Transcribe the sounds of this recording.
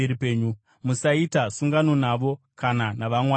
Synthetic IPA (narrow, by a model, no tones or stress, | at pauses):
eɾipe̞ːɲu | musaitasuŋɡano̞naʋo̞ | kananaʋamwa